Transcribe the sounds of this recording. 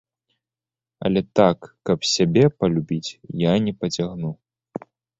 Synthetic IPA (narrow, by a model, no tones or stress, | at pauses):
ɐ̰lʲɛt̪akːɐpsʲabʲɛpɐlʲubʲit͡sʲjanʲɛpɐt͡sʲaɣnu